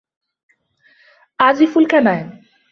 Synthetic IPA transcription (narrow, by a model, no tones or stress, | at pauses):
ad͡ʑifulkɛnae